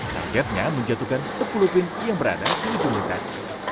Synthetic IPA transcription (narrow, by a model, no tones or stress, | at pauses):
t̪a̰rɡɛt̪̚ɲaməɲd͡ʒat̪ukansəpulupɪn | jaŋbəɾa̰dadisid͡ʒumlit̪a̰s